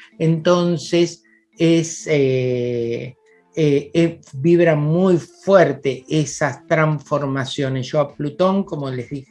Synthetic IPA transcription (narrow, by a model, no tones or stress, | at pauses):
ent̪o̞nses | ese | eebiβɾamujfweɾt̪eʔesast̪ɾaɱfo̞ɾmasjo̞nesʒ̥o̞aplut̪o̞ŋko̞molezðix